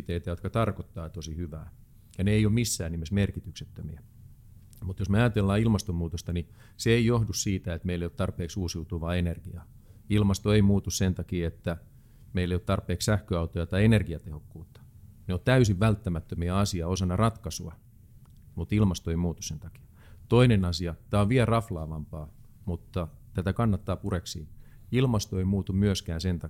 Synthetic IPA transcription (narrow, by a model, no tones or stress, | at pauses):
t̪eit̪æjot̪kɑt̪ɑrkot̪ːɑːet̪osihyʋæː | jɑneeijommisːæːnimesmerkit̪ykset̪ːømiæ | mut̪josmeɑjɑt̪elːɑːilmɑst̪ommuːt̪ost̪ɑni | seeijohdussiːt̪æet̪meilːeijot̪ɑrpeːksuːsjut̪uʋɑːenerɡ̥iɑː | ilmɑst̪oeimuːt̪ussent̪ɑkiet̪ːæ | meileijot̪ɑrpeːkssæhkøɑut̪ojɑt̪ɑienerɡiɑt̪ehokːuːt̪ːɑ̥neot̪æysiʋʋælt̪ːæmæt̪ːømiæɑsiɑosɑnːɑrɑt̪kɑsuɑ | mut̪ilmɑst̪oeimuːt̪usent̪ɑ̥ki̥ɑ̥ | t̪oinenɑsiɑt̪æːoʋʋiælrɑflɑːʋɑmpɑː | mut̪ːɑ | t̪æt̪ækɑnːɑt̪ːɑːpureksiː | ilmɑst̪oeimuːt̪ummyøskæːnsent̪ɑ